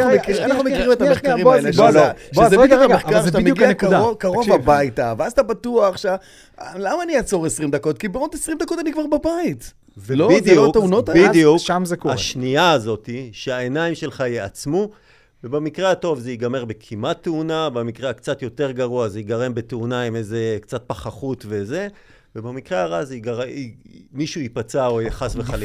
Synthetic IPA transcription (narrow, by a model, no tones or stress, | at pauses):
aueanaχnumekiʁimet̪ameχailozoʃezeaeameχkaʁt̪ameuɡiakud̪aokaʁovabajtaveazat̪abatuaχʃa | lamaːnijat͡so̞ʁesʁimd̪ako̞t̪̚kibeod̪esʁimd̪ako̞tanikvaʁbabait̪ | vloid̪uteunot̪abidijuʃamzekoaʃniaːzo̞t̪iʃeaenaimʃe̞lχajeat͡smu | vebemikʁeato̞vzeiɡame̞ʁbe̞kʰimat̪ːeunabemikʁeakt͡sat̪jo̞te̞ʁɡaʁuazeiɡaʁembe̞teunaimejze̞kt͡sat̚paχaχutve̞ze̞ | vebemikʁeaʁaziɡaʁimiʃuipat͡saojaχasveχali